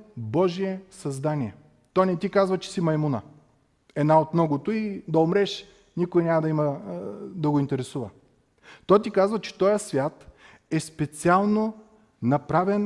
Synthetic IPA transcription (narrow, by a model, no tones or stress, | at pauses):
bɔʒiɛsɐzd̪aniɛ | t̪ɔjnɛt̪ikazvɐt͡ʃɛ̥simɐjmunə | ɛd̪naot̪mnɔɡot̪oid̪ɐomɾɛʃ | nʲikʊinʲamɐd̪ɐimɐ | d̪ɐɡoint̪ɛɾɛsuvə̰ | t̪ɔjt̪̬ikazvɐt͡ʃɛ̥t̪ɔjəsvʲjat̪ | ɛspɛt̪sialˠno | nɐpɾavɛn